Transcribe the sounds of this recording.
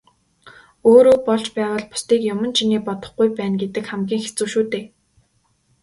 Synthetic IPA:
oːɾoːpɔɮt͡ɕpæːʁə̆ːɮpʊ̥st̪iːkjʊmə̆nt͡ɕʰiniːpɔt̪ɞ̆χɡujpæːnɡet̪ɘ̆kχæmɡʲiːŋxet͡sŭːʃuːt̪eː

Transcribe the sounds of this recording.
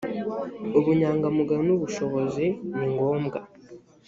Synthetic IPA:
uβuɲaːŋɡamuɡanuβuʃo̞βo̞ziniŋɡo̞ːmɡa

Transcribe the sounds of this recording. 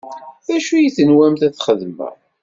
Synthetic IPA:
æʃujiθənwæmθæθχəðmə̰

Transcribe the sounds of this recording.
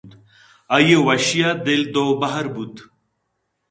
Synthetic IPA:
d̪ | ɐjewɐɕijad̪eld̪oːbɐɦɐɾbud̪

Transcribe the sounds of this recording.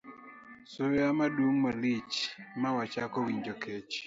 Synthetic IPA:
soamaduŋmalit͡ʃmawat͡ʃakɔwiɲd͡ʒɔket͡ʃ

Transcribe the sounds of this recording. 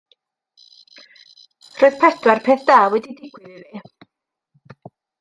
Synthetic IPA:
roːɨð̥pʰɛdwarpʰeθd̥aːwɛdidɪɡwɪðive

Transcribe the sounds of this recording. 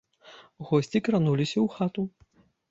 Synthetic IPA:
ɣɔsʲt͡sʲikɾanulʲisʲɐwxat̪u

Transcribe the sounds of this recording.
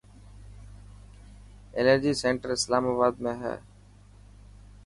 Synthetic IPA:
eləɾd͡ʒiːsẽːɳʈəɾɪslaːmaːβaːd̪mẽɦɛ̰ː

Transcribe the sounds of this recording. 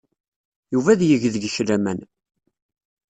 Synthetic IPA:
juvæðjəʝðəɡəʃɾæmæn

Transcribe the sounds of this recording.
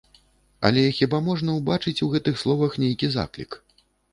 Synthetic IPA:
ɐ̰lʲɛxʲibamɔʐnɐwbat͡ʂɨt͡sʲuɣɛt̪ɨxslˠɔvɐxnʲejkʲiza̰klʲḭk

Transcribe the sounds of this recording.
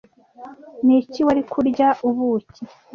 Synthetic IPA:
niciwaɾikʰuɾɟaʔuβuci

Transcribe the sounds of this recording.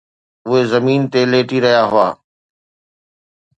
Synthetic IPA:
ʊɦezɐmiːnt̪eleːʈiɾɐɦjaɦʊa̰ː

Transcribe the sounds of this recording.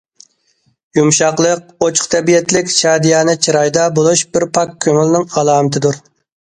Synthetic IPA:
jumʃɑqlˠəq̚ot͡ʃʰχt̪ʰɛbijɛt̪lɪkʲt͡ʃʰɑːd̪ijɑːnɨt͡ʃʰiɾɑjd̪ɑbolˠuʃbɪɾpʰɑkʲʰːøŋylˠnɪŋɑlˠɑːmɪt̪ʰɨd̪uɾ

